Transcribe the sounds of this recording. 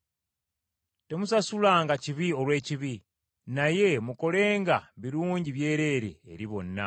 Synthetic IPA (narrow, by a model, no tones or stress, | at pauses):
te̞musasulaːŋɡaciβio̞lwe̞ːciβi | naje̞muko̞le̞ːŋɡaβiɾuːɲɟiβje̞ːɾe̞ːɾḛːɾiβo̞nːa̰